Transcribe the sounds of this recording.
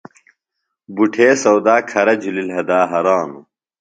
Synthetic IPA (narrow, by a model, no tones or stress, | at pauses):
buʈʰeːsɐwd̪aːkʰɐɾɐd͡ʑulilɦɐd̪aːɦɐɾaːnu